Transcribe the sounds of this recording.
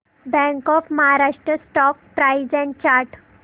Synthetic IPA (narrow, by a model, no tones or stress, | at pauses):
bɛ̃ŋkɔfməɦaɾaʂʈɾəsʈɔk̚pɾajd͡zɛ̃ɳ̚t͡ɕaɾʈ